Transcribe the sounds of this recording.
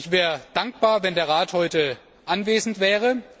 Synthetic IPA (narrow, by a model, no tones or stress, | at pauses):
ɪçv̥ɛːʁəd̥aŋk̚b̥aːɐvɛndeːɐʁaːthɔʏtə | ʔanveːzn̩tv̥ɛːʁ̞ə